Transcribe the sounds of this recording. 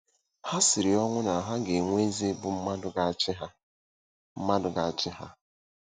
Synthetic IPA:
ha˦sɪ˨ɾi˨ɔ˦ŋʷʊ˦na˨ɦa˦ɡe˨ŋʷe˦zi˦bʊ˦m̩˦ma˦dʊ˦ɡa˦t͡ʃɪ˦ɦa˦ | m̩˦ma˦dʊ˨ɡa˨t͡ʃɪ˦ɦa˦

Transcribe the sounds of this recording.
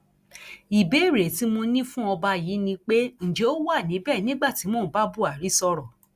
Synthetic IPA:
i˨be˨˦˨ɾe˨ti˨˦mo˧nĩ˦fũ˦ɔ˧ba˧ji˨˦nĩ˧k͡pe˦n̩˨d͡ʒe˨˦o˦wa˦˨nĩ˨˦bɛ˦˨nĩ˦ɡ͡ba˦˨ti˨˦mõ˦˨˦ba˦bu˦˨a˨ɾi˨˦sɔ˧ɾɔ˨

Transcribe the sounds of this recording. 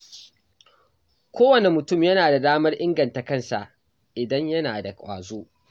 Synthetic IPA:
kʷʰoː˦wɐ˨ne˨mʊ˨tʊ˦˨mjɐ˦naː˨da˨daː˦mɐ˦rʔɪ˦ŋɡɐ˨nta˨kɐ˦nsa˨ʔ | ʔɪ˨dɐ˦ɲjɐ˦naː˨da˨kʼʷa̰ː˨zoː˦

